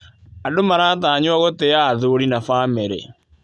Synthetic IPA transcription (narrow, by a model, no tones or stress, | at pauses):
adomaɾaːtaːɲwaɣoteaðoɾinafaːmeɾḛ